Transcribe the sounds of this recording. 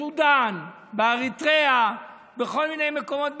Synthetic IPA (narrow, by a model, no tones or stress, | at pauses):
ud̪an | beaʁit̪ʁea | beχo̞lminejmeko̞mo̞t̪̚b